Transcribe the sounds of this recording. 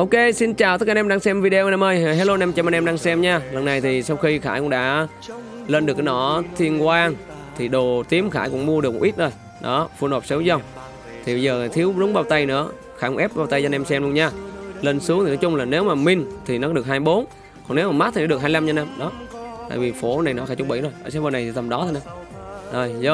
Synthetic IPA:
ʔo˧wke˧si˧nt͡ɕaː˨˩wt̪ə˦˥kːaː˧ʔɛ˧mɗaː˧ŋsɛ˧mvi˧ɗe˧ʔnɛ˧mʔəː˧jɦlo˧nɛ˧mt͡ɕɛ˧ma˧nʔɛ˧mɗaː˧ŋsɛ˧mɲaː˧lə˨˩nːa˨˩jt̪ʰi˨˩sa˧wxi˧xa̰ː˧˩jkʊ̰˧˥ŋ͡mɗa̰ː˧˥ | ləː˧nɗɨ˨˩ək̚ːnɔ˧˩t̪ʰi˧ənkwaː˧ŋ | t̪ʰi˨˩ɗo˨˩t̪i˨˦əmxaː˧˩jkʊ̰˧˥ŋ͡mmu˧ə˧ɗk̚m˨˧˩ʔi˦˥t̚ʔəː˧˩j | ɗɔ˨˦fɨ˧ənhoː˨˩p̚sə˨˦wzə˧wŋ͡m | t̪ʰi˨˩ɓə˧jzəː˨˩t̪ʰi˨˦əwzʊ˨˦ŋ͡mɓaː˧wt̪ə˧jnɨ̰˧˥ə | xaː˧˩kʊ˧˦ʔɛ˦˥p̚ɓaː˧wt̪ə˧jaː˧nɛ˧msɛ˧mlu˧ənɲaː˧leː˧nsɨ˨˦əŋt̪ʰi˨ɔ˨˦t͡ɕʊ˧ŋ͡mlaː˨˩ne˨˦wmaː˨˩mï˧ŋ̟t̪ʰi˨˩nɔ˨˦kːɗɨ˨˩ək̚haː˧jɓo˨˦n | kɔ˨˩nne˨˦wmaː˨˩ma˦˥t̚t̪i˨ɔː˧˦ɗɨ˨˩ək̚haː˧jla˧mzaː˧na˧mɗɔ˨˦t̪a̰ː˧˨jvi˨˩fo˧˩˦na˨˩jnɔ˨˦xaː˧˩jt͡ɕʊ˧ŋ͡mɓi˧˩zo˨˩jʔəː˧˩saː˨˦vəː˧˩na˨˩t̪ʰi˨˩t̪ə˨˩mɗɔ˨˦t̪a˧˩naː˧˦zo˨˩jzə˧˦

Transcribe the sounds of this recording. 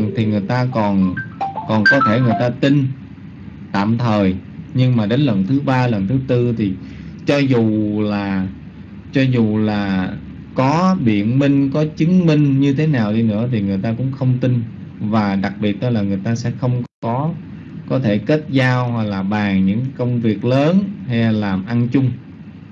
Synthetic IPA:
ŋt̪ʰi˨˩ŋɨ˨˩əjt̪aː˧kɔ˨˩nkɔ˨˩nkɔ˨˦t̪ʰe˧˩ŋɨ˨˩əjt̪aː˧t̪i˧n | t̪a̰ː˧˨mt̪ʰəː˨˩jɲɨ˧ŋmaː˨˩ɗe˨˦nlə˨˩nt̪ʰɨ˨˦ɓaː˧lə˨˩nt̪ʰɨ˨˦t̪ɨ˧t̪ʰi˨˩t͡ɕɔ˧zu˨˩laː˨˩ | t͡ɕɔ˧zu˨˩laː˨˩ | kɔ˨˦ɓḭ˧˨ənmï˧ŋ̟kɔ˨˦t͡ɕɨ˨˦ŋmï˧ŋ̟ɲɨ˧t̪ʰe˨˦naː˨˩wɗi˧nɨ̰˧˥ət̪ʰi˨˩ŋɨ˨˩əjt̪aː˧kʊ̰˧˥ŋ͡mxə˧wŋ͡mt̪i˧n | vaː˨˩ɗa˨˩k̚ɓi˨˩ət̚ɗɔ˨˦laː˨˩ŋɨ˨˩əjt̪aː˧sɛ̰˧˥xə˧wŋ͡mkkɔ˨˦ | kɔ˨˦t̪ʰe˧˩ke˦˥t̚zaː˧whwa˨˩k̚laː˨˩ɓaː˨˩ŋɲɨ̰˧˥ŋkkə˧wŋ͡mvi˨˩ək̚ləː˨˦nha˧jlaː˨˩mʔa˧nt͡ɕʊ˧ŋ͡m

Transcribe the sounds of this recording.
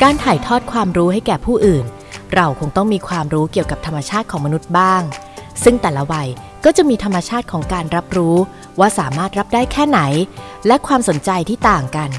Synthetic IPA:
kaː˧nt̪ʰaː˨˩jt̪ʰɔː˥˩t̪̚kʰwaː˧mɾuː˦˥ɦa˥˩jkɛː˨˩pʰuː˥˩ʔɯː˨˩n | ɾa˧wkʰo˧ŋt̪ɔ˥˩ŋmiː˧kʰwaː˧mɾuː˦˥ki˨˩əwka˨˩p̚t̪ʰa˧mːa˧t͡ɕʰaː˥˩t̪̚kʰɔː˩˦ma˧nu˦˥t̪̚baː˥˩ŋ | sɯ˥˩ŋt̪ɛː˨˩la˦˥wa˧j | kɔː˥˩t͡ɕa˨˩miː˧t̪ʰa˧mːa˧t͡ɕʰaː˥˩t̪̚kʰɔː˩˦ŋkaː˧nɾa˦˥p̚ɾuː˦˥ | waː˥˩saː˩˦maː˥˩t̪̚ɾa˦˥p̚daː˥˩jkʰɛː˥˩na˩˦j | lɛ˦˥kʰwaː˧mso˩˦nt͡ɕa˧jt̪ʰiː˥˩t̪aː˨˩ŋka˧n

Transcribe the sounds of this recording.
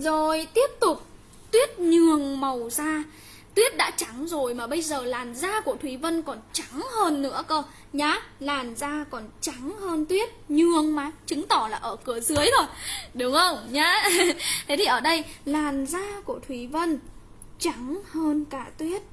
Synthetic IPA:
zo˨˩jt̪i˦˥əp̚t̪ʊ˨˩k͡p̚ | t̪wi˦˥ət̚ɲɨ˨˩əŋmə˨˩wzaː˧ | t̪wi˦˥ət̚ɗa̰ː˧˥t͡ɕa˨˦ŋzo˨˩jmaː˨˩ɓə˧jzəː˨˩laː˨˩nzaː˧ku˧˩ət̪ʰwi˨˦və˧nkɔ˨˩nt͡ɕa˨˦ŋhəː˧nːɨ̰˧˥əkəː˧ | ɲaː˨˦laː˨˩nzaː˧kɔ˨˩nt͡ɕa˨˦ŋhəː˧nt̪wi˦˥ət̚ɲɨ˨˩əŋmaː˨˦jt͡ɕɨ˨˦ŋt̪ɔ˧˩laː˨˩ʔəː˧˩kɨ˧˩əzɨ˨˦əjt̪ʰo˧˩jɗʊ˨˦ŋ͡mxə˧wŋ͡mɲaː˨˧˦t̪ʰe˨˦t̪ʰi˨˩ʔəː˧˩ɗə˧jlaː˨˩nzaː˧ku˧˩ət̪ʰwi˨˩˦və˧n | t͡ɕa˨˦ŋhəː˧nkaː˧˩t̪wi˦˥ət̚

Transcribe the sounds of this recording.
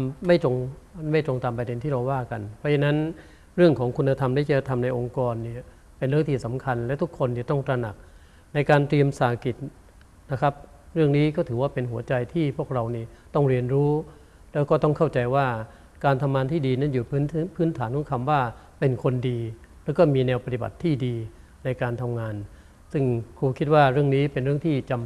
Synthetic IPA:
ma˥˩jt̪o˧ŋma˥˩jt̪ɾo˧ŋt̪aː˧mpɾa˧de˧nt̪ʰiː˥˩ɾa˧waː˥˩ka˧npʰɔ˦˥t͡ɕʰa˧nːa˦˥n | ɾɯ˥˩əŋkʰɔː˩˦ŋkʰu˧nːa˧t̪ʰa˧mna˥˩t͡ɕa˧˩a˧˩t̪ʰa˧mna˧jʔo˧ŋkɔː˧nːi˥˩ɐ | pe˧nɾɯ˥˩əŋt̪ʰiː˥˩sa˩˦mkʰa˧nlɛ˦˥wt̪ʰu˦˥kʰːo˧nːi˥˩t̪ɔ˥˩ŋt̪ɾa˧na˨˩k̚ | na˧jkaː˧nt̪ɾi˧əmsaː˨˩˦ki˨˩t̪̚ | na˦˥kʰa˦˥p̚ | ɾɯ˥˩əŋniː˦˥kɔː˥˩t̪ʰɯː˩˦waː˥˩pe˧nɦu˩˦ɐt͡ɕa˧jt̪ʰiː˥˩pʰu˥˩ək̚ɾa˧wniː˥˩t̪ɔ˥˩ŋɾi˧ənɾuː˦˥ | lɛː˦˥wkɔː˥˩t̪ɔ˥˩ŋkʰa˥˩wt͡ɕa˧jwaː˥˩ | kaː˧nt̪ʰa˧mŋaː˧nt̪ʰiː˥˩diː˧na˥˩˨juː˨˩pʰːnpʰɯː˦˥nt̪ʰaː˩˦nkʰɔ˨˦ŋkʰa˧mwaː˥˩ | pe˧nkʰo˧ndiː˧ | lɛ˦˥wkɔː˥˩miː˧nɛː˧wpa˧t̪i˨˩ba̰˨˩t̪ʰːiː˥˩diː˧ | na˧jkaː˧nt̪ʰa˧mŋaː˧n | sɯ˥˩ŋkʰuː˧kʰi˦˥t̪̚waː˥˩ɾɯ˥˩əŋniː˦˥pe˧nɾɯ˥˩əŋt̪ʰiː˥˩t͡ɕa˧m

